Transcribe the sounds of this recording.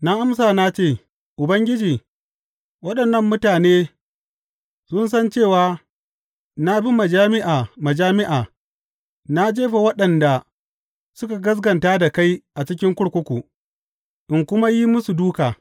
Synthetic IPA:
na˦ʔa˦ms̬aː˨na˦t͡ʃeː˦˨ | ʔʊ˨bɐ˦ŋɡʲɪ˦d͡ʒiː˨ | wɐ˦ɗɐ˨nːɐ˦mːʊ˦taː˨neː˦ | sʊ˦nsɐ˦nt͡ʃeː˦˨waː˨ | na˦bi˦ma˨d͡ʒaː˦mɪ˦ʔaː˨mɐ˨d͡ʒaː˦mɪ˦ʔaː˨ | na˦d͡ʒeː˦ɸe˨wɐ˦ɗɐ˨nda˨ | sʊ˦ka˨ɡɐ˦s̬ɡɐ˨ntaː˦da˨ka˦jʔa˨t͡ʃɪ˦k̬ʲɪ˦ŋkʷʊ˦ɽkʷʊ˦kʷu˨ | ʔɪ˨ŋkʷʊ˦ma˦ji˦mʊ˦su˨duː˦kaː˨

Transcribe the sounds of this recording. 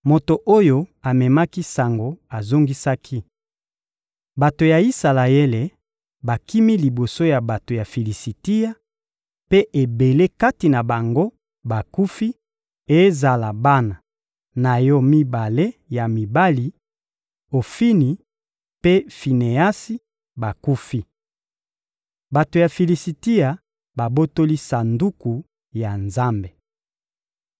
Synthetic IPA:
mo˨to˨ʔo˦jo˦a˨mɛ˨ma˦ki˦sa˨ŋɡo˨a˨zo˦ŋɡi˦sa˦kʰi˦ | ba˨to˨ja˨i˦sa˨la˨e˦le˨ | ba˨ki˦mi˦li˨bo˨so˦ja˨ba˨to˨ja˨fi˨li˨si˨ti˦ja˦ | pe˦ʔe˨be˨le˦ka˦ti˨na˨ba˨ŋɡo˦ | ba˨ku˦fi˦ | e˦za˨la˨ba˦na˨ | na˨jɔ˦mi˦ba˨le˦ja˨mi˨ba˦li˨ | o˨fi˦ni˨ | pe˦fi˨ne˨a˦si˦ | ba˨ku˦fi˦ | ba˨to˨ja˨fi˨li˨si˨ti˦ja˨ | ba˨bo˦to˦li˦sa˨ndu˦ku˨ | ja˨nza˦mbe˨

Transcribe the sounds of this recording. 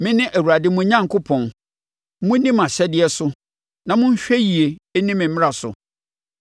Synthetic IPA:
mɪ̃˦nɪ̃˦ʔæ˨wu˨ɾa˨dɪ˦mʊ̃˦ɲã˦ŋ˨kʊ˦pʰɔ̃˨n˦ | mũ˦nĩ˦mã˨ɕɛ˦dɪ˦ɛ˦sʊ˦ | nã˨mʊ̃˦ɲ̩˦ɕᶣɛ˦ji˨e˨˦nĩ˦mɪ̃˨m̩mɪ̃˦a˨sʊ̰˨

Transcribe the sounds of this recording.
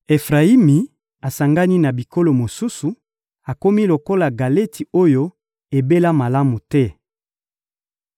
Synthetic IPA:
e˨fʁa˨i˦mi˨ | a˨sa˨ŋɡa˦ni˦na˨bi˨ko˦lo˨mo˨su˦su˨ | a˨ko˦mi˦lo˨ko˦la˨ɡa˨le˦ti˨o˦jo˦ | e˨be˦la˦ma˨la˦mu˨tɛ˦

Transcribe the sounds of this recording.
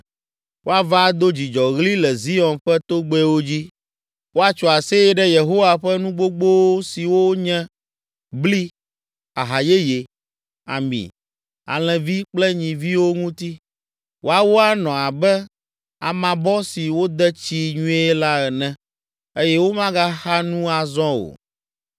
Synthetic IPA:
wʔo˦a˨va˦d̪o˦d͡ʑi˨d͡ʒɔ˨ɣli˦lɛ˨zi˦ɔ˨nɸɛ˦t̪o˦ɡ͡bɛ˦wo˦d͡ʑi˦ | wo˦a˦t͡ʃɔ˨a˨se˦jɛ˦ɖɛ˦je˨ɦo˦wa˨ɸɛ˦nũ˦ɡ͡bo˦ɡ͡bo˦wo˦si˨wo˦ɲɛ̃˦ | bli˦ | a˨ɦa˨je˦je˨ | a̰˨mḭ̃˨ | a̰˨l̃ɛ̃˨vi˦k͡plɛ˦ɲĩ˨vi˦wo˦ŋũ˦t̪i˦ | wʔo˦a˦wo˦a˦nɔ̃˨a˨bɛ˦ | a̰˨mã˨bɔ˦si˨wo˦d̪ɛ˦t͡ɕi˦ɲũ˦e˦ɛ˦la˦ɛ˨nɛ̃˦ | e˦jɛ˦wo˦mã˦ɡa˦xa˦nũ˦a˨zɔ̃˦o̰˨

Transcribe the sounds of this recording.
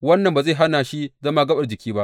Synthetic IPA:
wɐ˦nːɐ˨mba˨za˦˨ɦa˦naː˨ʃi˦zɐ˦maː˦ɡɐ˦ɓɐ˨rd͡ʒɪ˨kʲiː˦ba˦ʔ

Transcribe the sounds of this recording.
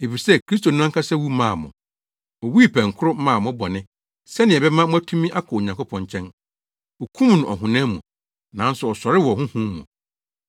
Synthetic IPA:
e˨fi˨sɛ˦kɾi˦s̬to˨n̩˦ã˦ŋkʰa˦sɛ˦wu˦mã˦˨mʊ̰̃˨ | ɔ˨wi˦pʰæ̃˨ŋ˨kʰʊ˦ɾʊ˦mã˦˨mʊ̃˦bɔ˨nɪ̃˦ | sɛ˦nɪ̃˨ɛ˨bɛ˦mã˦mʊ̃˦æ˦tʰũ˦mĩ˦ʔa˦kʰɔ˨ɲã˨ŋko˦pʰɔ̃˨ɲt͡ɕʰɛ̃˦n | ɔ˨kʰũ˦mnʊ̃˨ʔɔ˨ɦʊ̃˨nã˦mṵ̃˨ | nã˨˦n̩˦sʊ˨ɔ˨sɔ˨ɾɪ˦wɔ˨hʊ̃˦hũ˦mṵ̃˨

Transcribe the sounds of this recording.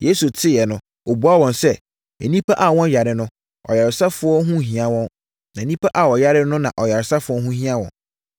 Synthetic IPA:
je˦su˨tʰɪ˦jɛ˨nʊ̃˦ | o˨bu˨˦a˦wɔ̃˨nsɛ˦ | ɛ˨nĩ˦pʰa˦ʔa˨wɔ̃˦n˦ja˨ɾɪ˨nʊ̃˦ | ɔ̰˨ja˨ɾɪ˨sa˦fʊ˨˦ɔ˦ɦũ˦˨ɦĩ˨ã˦wɔ̃˦n | nã˨nĩ˦pʰa˦ʔa˨wɔ˨ja˦ɾɪ˦nʊ̃˦nã̰˨ʔɔ˨ja˨ɾɪ˨sa˦fʊ˨˦ɔ˦ɦũ˦ɦĩ˦ã˦wɔ̰̃˨˦

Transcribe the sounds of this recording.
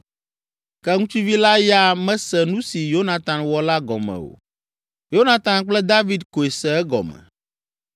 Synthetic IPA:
kɛ˦ŋũ˦t͡ʃu˦vi˦la˦ja˦mɛ̃˦sɛ˨nũ˦si˨jo˦na˨t̪ã˨nwɔ˦la˦ɡɔ̰˨mɛ̰̃˨wo̰˨ | jo˦na˨t̪ã˨nk͡plɛ˦d̪a˦vi˦d̪ko˨e˨sɛ˦ɛ˦ɡɔ̰˨mɛ̰˨

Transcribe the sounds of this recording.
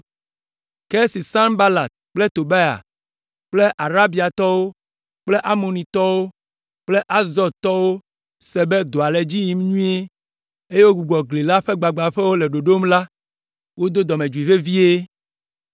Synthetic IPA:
ke˦si˨sã˦nba˦la˨t̪̚k͡ple˦t̪o˨ba˦ja̰˨ | k͡ple˦ʔa˨ɾa˦bi˨a˨t̪ɔ˦wo˦ | k͡ple˦ʔa˦mo˨nĩ˨t̪ɔ˦wo˦ | k͡ple˦ʔa˦zɔ˨ɾt̪ɔ˦wo˦ | sɛ˨be˦d̪o˨a˨lɛ˨d͡ʑi˦ji˨m˦ɲũ˦e˦ | e˦je˦wo˦ɡu˨ɡ͡bɔ˨ɡle˨la˦ɸe˦ɡ͡ba˨ɡ͡ba˨ɸɛ˦wo˦le˨ɖo˨ɖo˦mla˦ | wo˦d̪o˦d̪ɔ˨mẽ˨d͡ʒu˨i˨ve˦vi˦e˦

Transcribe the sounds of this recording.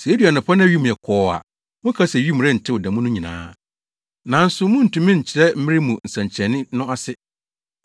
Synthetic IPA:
se˨˦di˨a˨nɪ̃˨pʰɔ˦nɪ̃˦ɥi˦mũ˨ɛ˨kʰɔː˦a̰˨ | mʊ̃˦kʰa˦sɛ˨ɥi˦mũ˨ɾɛ˦n̩˨tʰɪ˦wɔ˨dɛ̃˨mũ˦nʊ̃˦ɲĩ˨nã̰ː˨˦ | nã˨n̩˦sʊ˨mʊ̃˦n̩˨tũ˨mɪ̃˦ɲ̩˨t͡ɕʰɪ˨ɾɛ˦m̩˦mɪ̃˦ɾɪ˦mũ˨n̩˨sã˨ɲ˨t͡ɕʰɛ̃˨nɪ̃˦nʊ̃˦a˦sɪ˦

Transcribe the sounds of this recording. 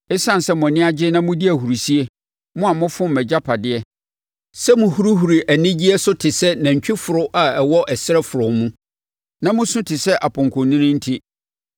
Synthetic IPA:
ɪ˦sã˦n˨sɛ˦mʊ̃˨nɪ̃˦a˦d͡ʑɪ˦nã˦mʊ̃˦di˦æ˨hu˨ɾi˨si˦e˦ | mʊ̃˦a˨mʊ̃˦fʊ̃˦m̩˨mɛ˨d͡ʑa˦pʰa˨dɪ˦ɛ˦ | sɛ˦mʊ̃˨hu˦ɾu˦ɦu˨ɾi˨ʔæ˨nɪ̃˦d͡ʑi˦ɛ˦sʊ˦tʰɪ˨sɛ˦nã˨ɲ̩˨t͡ɕᶣɪ˦fʊ˨ɾʊ˦ʔa˨ɛ˨wɔ˦ʔɛ˨sɪ˦ɾɛ˦fʊ˨ɾʊ˨mũ˦ | nã˦mʊ̃˦sʊ̃˦tʰɪ˨sɛ˦ʔa˨pʰʊ̃˨ŋkʰʊ̃˨nĩ˦nɪ̃˦n̩˦tʰi˦

